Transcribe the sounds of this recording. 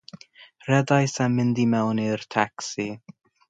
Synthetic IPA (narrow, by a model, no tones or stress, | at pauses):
rɛdajsamɪndimɛwnirtʰaksi